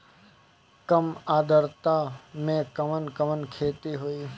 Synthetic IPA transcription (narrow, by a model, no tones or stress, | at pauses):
kəmaːd̪əɾt̪amẽkəmənkəʋənkʰeːt̪iɦoːi